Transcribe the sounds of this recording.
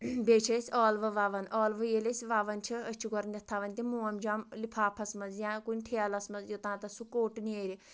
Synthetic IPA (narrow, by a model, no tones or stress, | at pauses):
beːt͡ʃʰɐsʲɔːlʋɨʋaʋɐnɔːlʋɨjelʲesʲʋaʋɐnt͡ʃʰiət͡ʃʰiɡɔɾnʲɐt̪ʰːaʋɐnʲt̪ʲimuːɐmd͡ʒamlipʰaːpʰɐsmɐnzjãːkunʲʈʰeɐlɐsmɐzjot̪ãːt̪ɐsukoːʈneːɾʲi